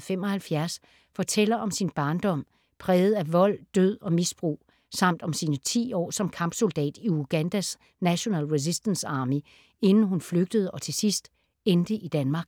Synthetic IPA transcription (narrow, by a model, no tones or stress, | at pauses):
fem̰ɒ̽hælfjæɐs | fɒ̽t͡sʰel̰ɐʔɒ̽msinb̥ɑ̈ːnd̥ɒ̽m̰ | pʰʁɛːð̞̩ˠæʋɒ̽l̰d̥øð̰ˠɒ̽misb̥ʁṵː | sɑ̈m̰d̥ɒ̽msiːnət͡sʰḭːɒ̰ːsɒ̽mkʰɑ̈mb̥so̝ld̥ɛ̰ːd̥iuɡ̥ænd̥æs | næɕo̝nɛ̰ːlʁes̬isd̥ənsɑ̈ːmi | e̝nn̩ɦunfløɡ̥̚d̥əð̞̩ˠəʔɒ̽t͡sʰe̝sisd̥ | end̥əʔid̥ænmɑ̈ːɡ̥